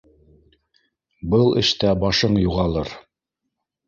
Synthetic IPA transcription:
bɤlˠɘ̰̆ʃt̪æbɑʃɤɴjuʁɑlˠɤɾ

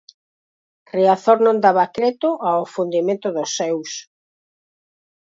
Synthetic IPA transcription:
reaθoɾnõnd̪aβakɾɛt̪ʊʔaofund̪imẽnt̪ʊðosːɛws

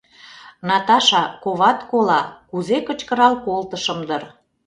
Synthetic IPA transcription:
nɑt̪ɑʃɑkoβɑt̪kolɑkuzekət͡ɕkəɾɑlkolt̪əʃə̆md̪ər

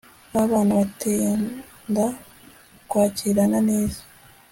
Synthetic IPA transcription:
aβaːnuβatenda | kwaːciɾanane̞ːzḁ

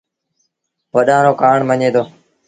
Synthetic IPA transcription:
pəɗãːɾoːkaːɳməɲeːd̪oː

